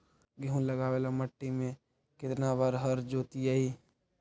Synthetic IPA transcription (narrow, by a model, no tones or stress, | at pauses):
ɡiɦũləɡaːwelaməʈːimẽ | kɪt̪nabaɾɦəɾd͡ʒoːt̪iaiː